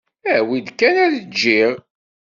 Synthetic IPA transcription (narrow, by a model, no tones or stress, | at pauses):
æwid̪kːænæɾd͡ʒːiʁ